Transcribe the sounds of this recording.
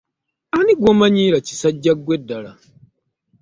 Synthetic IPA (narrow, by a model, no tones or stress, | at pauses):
aniɡwomaɲiːɾaci̥saɟːaɡwedːala